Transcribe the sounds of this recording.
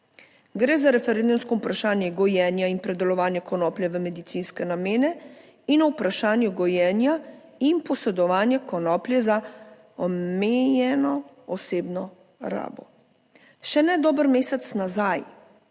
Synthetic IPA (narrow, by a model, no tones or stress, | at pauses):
ɡɾɛːzaɾɛfɛɾend̪umskɔupɾaʃaːnjɛɡɔjɛnjainpɾɛd̪ɛlɔʋaːnjɛkɔnɔːplʲjɛʋəmɛd̪it̪siːnskɛnameːnɛ | inɔwupɾaʃaːnjɛɡɔjɛːnja | inpɔsɛd̪ɔʋaːnjɛkɔnɔːpljɛza | ɔmeːjɛnɔ | ɔseːbnɔ | ɾa̰ːbɔ̰ | ʃɛnɛd̪ɔːbəɾmeːsɛt̪snazaːj